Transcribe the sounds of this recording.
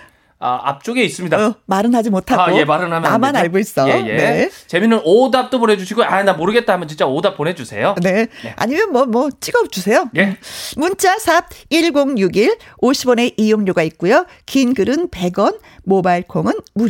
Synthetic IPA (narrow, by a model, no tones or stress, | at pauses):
a̰a̰p̚t͡ɕ͈oɡeis͈ɯmɲidamaɾɯnɦad͡ʑimotʰaojemaɾɯnamjamanaɭɡois͈ʌejenet͡ɕe̞minɯnodap̚t͈oponɦe̞d͡ʑuɕʰiɡoanamoɾɯɡet̚t͈aɦamjʌnt͡ɕint͡ɕ͈aodap̚p͈one̞d͡ʑusʰe̞̰jone̞ea̰ɲimjʌnmwʌmwʌt͡ɕ͈iɡʌp̚t͡ɕ͈usʰe̞jojmunt͡ɕ͈ʰasʰab̚iɭɡoŋjuɡiɭoɕʰibʌne̞ʔijoŋɲoɡaik̚k͈ujo | kinɡɯɾɯnpe̞ɡʌn | mobaiɭkʰoŋɯnmuɾ